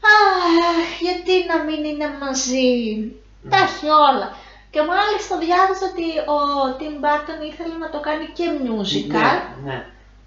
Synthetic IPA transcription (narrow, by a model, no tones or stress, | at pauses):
ɐ | ʝɐt̪inɐminine̞mɐzi | t̪ɐçio̞lɐ | ce̞mɐlist̪ɐðʝɐvɐsot̪iot̪imbɐt̪emiθe̞lenɐt̪o̞kɐnice̞mɲuzikɐ